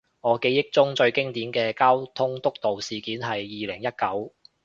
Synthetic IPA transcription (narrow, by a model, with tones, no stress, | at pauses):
ŋɔː˨˧ke˨˧jɪ˥k̚t͡sʊ˥ŋt͡ʃɵ˧ɥkɪ˥ŋt̪iː˨˥nkɛː˧kaː˥wt̪ʰʊ˥ŋt̪ʊ˥k̚t̪o˨wsiː˨kiː˨˥nɦɐ˨jːiː˨lɪ˨˩ŋjɐ˥t̚kɐ˨˥w